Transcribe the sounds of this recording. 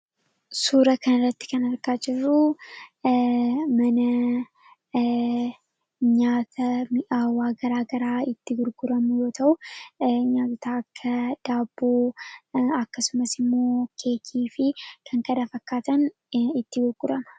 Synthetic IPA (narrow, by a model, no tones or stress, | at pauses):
suːɾɐkɐnɪrːɐt̪ːɪ̥kɐnɐɾɡaːd͡ʒɪrːu | mɐnɐ | ɲaːt̪ʰɐmʔawaːɡɐɾaːɡɐɾaːɪt̪ːɪɡʊɾɡʊɾɐmʊjo̞ːt̪ʰɐʔʊ | ɲaːt̪ɪt̪aːkʰːɐd̪̥aːbːoː | ɐkːɐsʊmɐsɪmːo̞ːkʰeːkʰiːfɪkʰɐŋkɐd̪afɐkːaːt̪ɐn | ɪt̪ːɪɡʊɾɡʊɾɐmɐ̥